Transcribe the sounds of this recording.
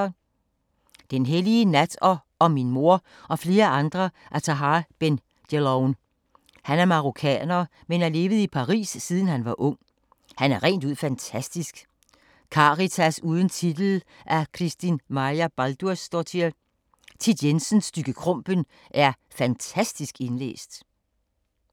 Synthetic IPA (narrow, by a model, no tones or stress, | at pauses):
d̥enɦeliənæd̥ɒ | ɒ̽minmo̝ɐ | ʔɒ̽fle̝ːɐɑ̈nd̥ʁɐʔæt͡sʰɑɦɑːb̥en | d̥elɒʊn | hænæɐmɑ̈ʁokʰɛ̰ːnɐ | menæɐle̝ːʋð̩ˠipʰɑ̈ʁḭːsːiːð̞ˠən̩hænʋɑ̈ʔɔ̽ŋ̰ | hænæɐʁɛ̰nd̥uð̞̰ˠfænt͡sʰæsd̥isɡ̥ | kʰɑ̈ʁit͡sʰæsuːð̞ˠən̩t͡sʰid̥l̩ʔækʰʁisd̥inmɑæb̥ɑld̥uɐsd̥ɒt͡sʰi | t͡sʰid̥jensənsːd̥yɡ̥əkʰʁɔ̽m̰b̥ən | ʔæɐ | fænt͡sʰæsd̥isɡ̥e̝nlḛːsd̥